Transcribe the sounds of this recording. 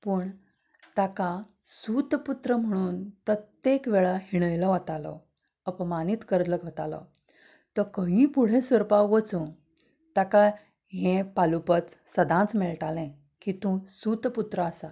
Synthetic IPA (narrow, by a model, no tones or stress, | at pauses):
pəɳ | t̪akã | sut̪put̪ɾəm̤əɽ̃uːnpɾət̪jekʋɛɭaɦiɽ̃əjlɔʋət̪alɔ̰ | əpmanit̪kəɾt̪ləɡʱət̪alɔ̰ | t̪əkəɦĩpuɽ̤ẽsʋəɾpaʋət͡sũ | t̪aka | ɦẽpalupət͡ssəd̪ʱãt͡smɛɭʈalɛ̃ | kit̪ũsut̪put̪ɾəasa